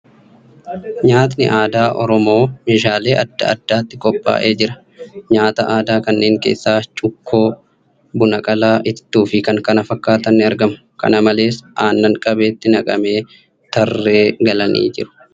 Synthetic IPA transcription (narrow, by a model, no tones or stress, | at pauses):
ɲaːt̪̬nɪ̰ʔaːd̪aːʔɔɾɔmo̞ːmeːʃ̬aːle̞ːʔɐd̪ːɐ̰ɐ̰d̪̥ːaːt̪ːɪkʼɔpʼːa̰ːʔe̞ːd͡ʒɪɾɐ̥ | ɲaːt̪ɐʔaːd̪aːkɐnːe̞ːŋkeːsːaːt͡ʃʼʊkʰːo̞ː | bʊnɐkʼɐlaːʔɪt̪ːuːfɪkɐŋkɐnɐfɐkːaːt̪ɐnːɪɐɾɡɐmʊ̥ | kɐ̰nɐmɐle̞ːsʔaːnːɐŋkʼɐbeːt̪ːɪnɐkʼɐ̰me̞ː | t̪ɐrːeːɡɐlɐnʔḭːd͡ʒɪ̰ɾʊ̥